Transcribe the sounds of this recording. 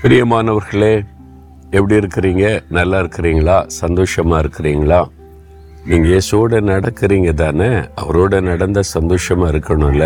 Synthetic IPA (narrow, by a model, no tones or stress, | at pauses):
pɪɾɪjɐmaːnɐʋɐɾɣɐɭeː | ɛpːɐɽiɪɾɯkːɪɾiːŋɡɐnɐlːaːɪɾɯkːɪɾiːŋɡɐɭaːsɐnd̪oːʂɐmaːɪɾɯkːɪɾiːŋɡɐɭaː | niːŋɡɐjeːsuoːɽɐnɐɽɐkːɪɾiːŋɡɐt̪̬aːnɐɐ̰ʋɐɾoːɽɐnɐɽɐnd̪ɐsɐnd̪oːʂɐmaːɪɾɯkːɐɳʊ̃ɪlːɐ